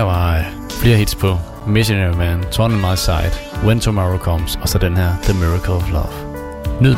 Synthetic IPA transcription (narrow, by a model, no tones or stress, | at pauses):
ʋɑ | fle̝ːɐɦid̥spʰɔ̽ | mɪsonɛɹimænt͡sʰɒnənmaɪsɑ̈ɪd̥ | wẽnt͡sʰomɒːɹokʰɒmsɒsɒd̥enɦɛɐð̥əmiɹɐkʰəl̩ˠɒʋlʌ̰ʋ | nʉ̰